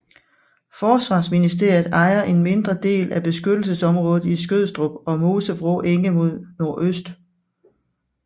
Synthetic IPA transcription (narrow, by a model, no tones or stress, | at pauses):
fɒːsʋɑ̈ːsminisd̥e̝ɐ̰jð̩ˠɑ̈ɪɐʔe̝nme̝nd̥ʁɐd̥e̝̰ːlæb̥e̝sɡ̥ød̥l̩səsɒ̽mʁɔ̽ːð̩ˠisɡ̥øð̰ˠsd̥ʁob̥ɒ̽mo̝ːsəfʁoʔeŋəmo̝ð̞̰ˠno̝ɐʔøsd̥